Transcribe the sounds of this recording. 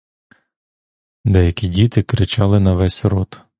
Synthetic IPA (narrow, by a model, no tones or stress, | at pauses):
d̪ɛjɐkʲidʲit̪ɪkɾɪt͡ʃɑlˠɪnɐʋɛsʲɾɔt̪